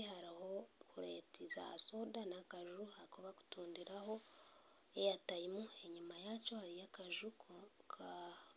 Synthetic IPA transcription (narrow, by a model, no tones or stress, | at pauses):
haɾiho̞kʰuɾeːtiza̰soːdanakaʒuhakoβaku̥tuːndiɾaho̞ | ejataimue̞ɲumajaːco̞haɾijakaʒukkʰa